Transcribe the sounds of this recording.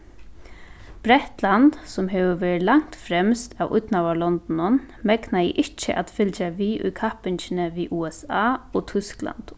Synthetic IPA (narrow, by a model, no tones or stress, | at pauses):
b̥ɾɛht̪lant̪sʊmɦɛːʋəʋɛːɹt̪laŋ̥t̪fɾɛmst̪a̰wʊ̰t̪nawalɔnt̪nʊn | mɛknajɛ̰ʔɪht͡ʃɪʔat̪fɪlt͡ʃaʋiːʔʊ̰jkʰahpɪɲt͡ʃɪnəʋiʔuːɛsaːɔt̪ʰʏskla̰nt̪